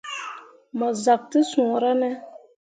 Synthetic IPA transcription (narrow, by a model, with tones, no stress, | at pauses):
ma˨za˨k̚tɨ˦sũ˨ɾa˦nɛ˦